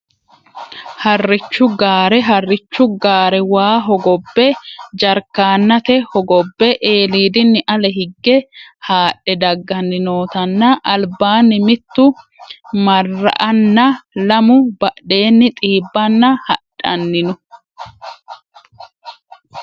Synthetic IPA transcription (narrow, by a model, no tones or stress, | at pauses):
hɐrːɪt͡ʃːʊɡaːɾɛɦɐrːɪt͡ʃːʊɡaːɾɛwaːɦɔɡɔbːɛd͡ʒɐɾkaːnːɐt̪ɛhɔɡɔbːɛʔeːliːd̪ɪnːɪʔɐlɛɦɪɡːɛhaːɗːɛd̪ɐɡːɐnːɪno̞ːt̪ɐnːɐʔːlbaːnːɪmɪt̪ːʊ | mɐrːɐ̰ʔɐnːɐlɐmʊb̥ɐʔe̞ːnːɪt̪ʼiːbːɐnːɐhɐᶑɐ̰nːɪnʊ